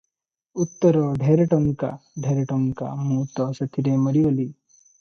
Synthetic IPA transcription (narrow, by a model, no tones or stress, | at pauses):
ut̪ːəɾɔd̪ʱeɾɐʈɔŋka̰d̪ʱeɾɐʈɔŋka̰muːt̪ɔsɐt̪ʰiɾemɐɾioli